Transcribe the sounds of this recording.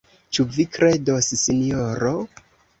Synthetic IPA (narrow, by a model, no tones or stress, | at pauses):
t͡ʃuvikɾe̞dossinijoɾo